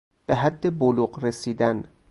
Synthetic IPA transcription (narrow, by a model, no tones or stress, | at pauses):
b̥eɦæd̪ːeboluɢɾesiːd̪æn